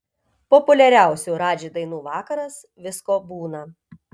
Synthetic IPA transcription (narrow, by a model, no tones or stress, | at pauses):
pɔpʊlʲɛɾʲæˑʊsʲuːɾɑːd͡ʒʲɪd̪ɐɪnuːʋɑːkɐɾɐs | ʋʲɪskoːbuːnɐ